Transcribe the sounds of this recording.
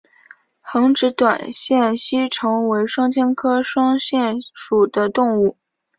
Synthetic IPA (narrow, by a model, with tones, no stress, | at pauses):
xɤ˧˥ŋʈ͡ʂɻ̩˧˥t̪wa̰˨˩nɕjɛ˥˩nɕi˥ʈ͡ʂʰɤ˧˥ŋwe˧˥ɪʂɑ˥ŋt͡ɕʰjɛ˥nkʰɤ˥ʂwɑ˥ŋɕjɛ˥˩nʂu˨˩d̪ə˦t̪ʊ˥˧ŋu˥˩